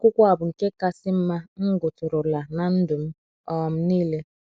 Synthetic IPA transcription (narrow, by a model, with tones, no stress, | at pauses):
kʷʊ˦kʷa˨bʊ˨ŋ̩˨ke˦ka˦sɪ˦m̩˦ma˦ŋ̩˦ɡʊ˨tʊ˨ɾʊ˨la˨na˨n̩˦dʊ˨m̩˦ | ɔ˦˨m̩˦niː˦le˦